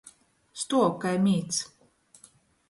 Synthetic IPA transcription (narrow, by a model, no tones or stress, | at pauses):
st̪uɔkajmʲiːt̪s